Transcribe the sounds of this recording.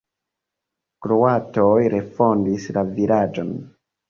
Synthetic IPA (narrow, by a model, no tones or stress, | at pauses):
kɾoatojɾe̞fo̞ndislaviɾad͡ʒo̞̰n